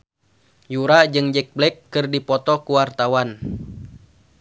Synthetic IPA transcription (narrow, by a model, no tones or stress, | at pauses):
juɾad͡ʒɨŋd͡ʒɛk̚blɛkːɨrdipɔt̪ɔkuwart̪awan